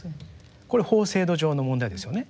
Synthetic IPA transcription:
ko̞ɾeho̞ːse̞ːd̪o̞ʑo̞ːno̞mõnd̪aid̪esɨjo̞ne̞

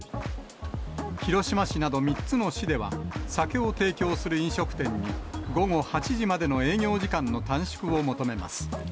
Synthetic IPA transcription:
çiɾo̞ɕimaɕinad̪o̞mʲit͡sɨno̞ɕid̪e̞βa̰sake̞ot̪e̞ːkʲo̞ːsɨɾɯĩɰ̃ɕo̞kɯ̥t̪ẽ̞ɲ̟ːiɡo̞ŋo̞hat͡ɕiʑimad̪e̞no̞e̞ːɲʲjo̞ːd͡ʑikãnːo̞t̪ãɰ̃ɕi̥kɯ̟o̞mo̞t̪o̞me̞ma̰sɨ̥

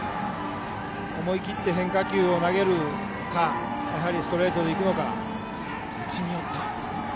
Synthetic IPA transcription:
omo̞ikʲit̪ːe̞ɦẽ̞ŋkakʲɨːo̞naɡe̞ɾɯ̟ | ka | jaɦaɾʲisɨ̥t̪o̞ɾe̞ːt̪od̪e̞ikɯ̟no̞ka̰ | t͡ɕiɲʲiot̪ːa

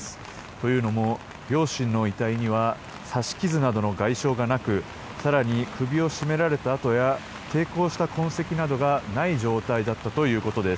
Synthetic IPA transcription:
t̪o̞jɯ̟ːno̞mo̞ | ɾʲo̞ːɕĩnːo̞it̪aiɲ̟iβ̞a | saɕi̥kʲizɨnad̪o̞no̞ɡaiɕo̞ːɡanakɯ̟ | saɾaɲ̟ikɯ̟bʲio̞ɕime̞ɾaɾe̞t̪aːt̪o̞ja | t̪e̞ːko̞ːɕi̥t̪akõ̞ɰ̃se̞kʲinad̪o̞ɡanaid͡ʑo̞ːt̪aid̪at̪ːat̪o̞jɯ̟ːko̞t̪o̞d̪e̞s

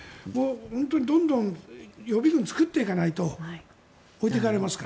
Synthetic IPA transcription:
moːhõnt̪o̞ɲ̟id̪õ̞nd̪õ̞ŋjo̞bʲiɡɯ̃nt͡sɨ̥kɯt̪ːeikanait̪o̞ | oit̪̬e̞kaɾe̞masɨ̥ka

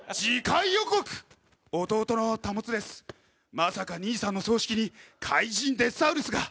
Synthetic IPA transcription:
d͡ʑikaijoko̞kɯ̟̥ | o̞t̪o̞ːt̪o̞no̞t̪amo̞t͡sɨd̪e̞sɨ̥ | masakaɲ̟iːsãnːo̞so̞ːɕi̥kʲiɲ̟ikʰaiʑĩnd̪e̞saɯ̟ɾɯsɨɡa

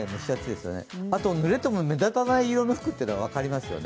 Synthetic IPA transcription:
emoɕiat͡ɕid̪e̞sɨjo̞̰ne̞̰at̪o̞nɯ̟ɾe̞t̪e̞mome̞d̪at̪anaiːɾo̞noɸɯ̥kɯ̟t̪ːeɾaβ̞akaɾʲimasɨjo̰n

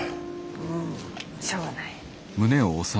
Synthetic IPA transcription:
ɯ̃ | ɕoːnai | mɯ̟ne̞oːsa

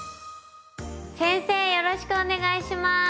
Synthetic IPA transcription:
sẽ̞ɰ̃se̞ːjoɾoɕi̥kɯ̟one̞ɡaiɕima

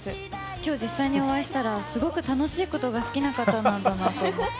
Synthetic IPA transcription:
ɨ | kʲo̞ːd͡ʑisːaiɲ̟io̞βaiɕi̥t̪aɾasɨɡo̞kɯ̟t̪ano̞ɕiːko̞t̪o̞ɡasɨ̥kʲinakat̪anãnd̪anat̪o̞mo

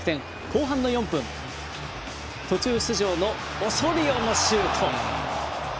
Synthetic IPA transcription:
ɯ̥t̪ẽ̞ŋ | ko̞ːɦãnːo̞jõ̞mpɯ̟̃ŋ | t̪o̞t͡ɕɨːɕɨʑo̞ːnoː | soɾʲɯjoːnoɕɨːt̪ʰo

